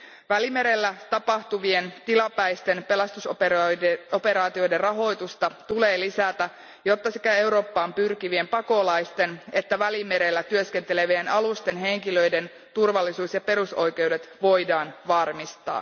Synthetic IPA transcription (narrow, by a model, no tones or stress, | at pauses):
ʋælime̞ɾe̞lːæt̪ɑpɑht̪uʋie̞nt̪ilɑpæjst̪e̞npe̞lɑst̪us | ope̞ɾɑːt̪io̞jde̞rrɑɦo̞jt̪ust̪ɑt̪ule̞ːlisæt̪æ | jo̞t̪ːɑsikæe̞wɾo̞ːpːɑːmpyrkiʋie̞mpɑko̞lɑjst̪e̞ne̞t̪ːæʋælime̞ɾe̞lːæt̪yøske̞nt̪ele̞ʋienʔɑlust̪e̞nɦe̞ŋkilø̞jde̞n | t̪urʋɑlːisuːsjɑpe̞ɾuso̞jke̞wde̞t̪ʋo̞jdɑːnʋɑrmist̪ɑ̰ː